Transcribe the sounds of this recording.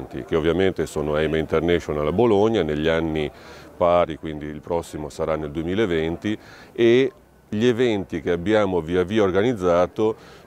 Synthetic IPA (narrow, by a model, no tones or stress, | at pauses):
nt̪ḭk̟eovːjament̪esoːnoajmaint̪ernɛʃonalaboloɲːaneʎːianːipaːɾikwind̪iːlpɾɔsːimosaɾanːeld̪uemiːlaevɛnt̪ie | ʎevɛnt̪ik̟eabːjaːmoviaviːaorɡanid̪zːaːt̪o